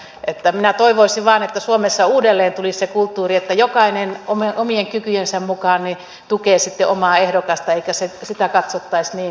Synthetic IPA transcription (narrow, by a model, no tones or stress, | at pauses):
ʔet̪ːæminæt̪oiʋoisiʋʋɑːnet̪ːæsuomesːɑuːdelːeːnt̪ulissekult̪ːuːriet̪ːæjokɑinenomeʔomieŋkykyjensæmmukɑːnni | t̪ukeːsit̪ːeʔomɑːehdokɑst̪ɑeikæsesit̪ækɑt̪sot̪ːɑisniː